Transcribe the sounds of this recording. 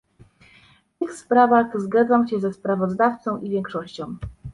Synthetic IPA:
t̪ɘxspɾavaɣzɡad̪zawɕɛzɛspɾavɔzd̪aft̪sɔ̃w̃ʔivʲjɛŋkʂɔɕt͡ɕɔ̃w̃

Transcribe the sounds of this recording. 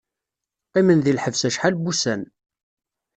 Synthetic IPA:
qimənðilħəvsæʃħalbusæn

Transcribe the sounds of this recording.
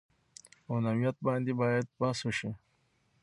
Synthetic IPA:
awnawijat̪̚bɑ̃nd̪ibɑːjad̪̚paswuʃi

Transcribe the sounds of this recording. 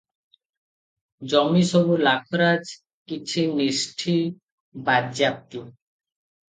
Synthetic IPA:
d͡ʑɔmiʃobulakʰoɾad͡ʑ | kit͡ɕʰiniʃʈʰi | badd͡ʑap̚t̪i

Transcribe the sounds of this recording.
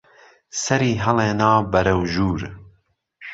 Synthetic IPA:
sɛɾiːɦɐleːnɑːbɛɾɛwʒuːɾ

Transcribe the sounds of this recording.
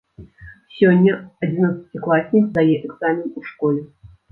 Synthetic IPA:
sʲɔnʲːɐɐd͡zʲinat̪sɐ̥t͡sʲɪklˠasʲnʲikzd̪ajɛʔɛɡz̥amʲinuʂkɔlʲɛ

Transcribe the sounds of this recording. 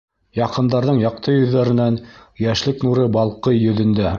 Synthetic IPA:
jɑqɤ̆nd̪ɑɾðɤɴjɑq̚t̪ɤjɵ̆ðːæɾɘ̆nænjæʃlɘknuɾɤbɑlˠqɤjːɵ̆ðɘ̆nd̪æ

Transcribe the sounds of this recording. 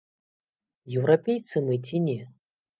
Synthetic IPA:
jɛwɾapʲejt̪sɨmɨt͡sʲinʲɛ

